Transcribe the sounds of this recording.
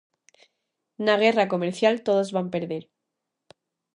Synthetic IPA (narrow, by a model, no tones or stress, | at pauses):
naɣ̞e̞rako̞meɾθjalt̪o̞ðo̞zβampe̞ɾðeɾ